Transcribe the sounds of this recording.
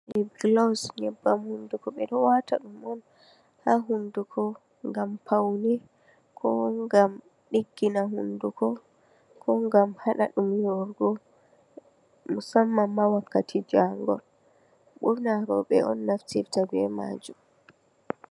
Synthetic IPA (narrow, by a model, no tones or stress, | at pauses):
ʔibɡlasnɛbːamhundukɔɓɛɗɔwataɗumɔn | haɦundukʰɔ | ŋɡampʰawni | kʰɔŋɡam | ɗiɡːinahundukɔ | kʰɔŋɡamhaɗaɗumjɔɾɡɔ | musamːamːawakːatʰid͡ʒaŋɡɔl | ɓuɾnaɾɔɓɛ̰ɔnːaftiftabɛma̰ːd͡ʒum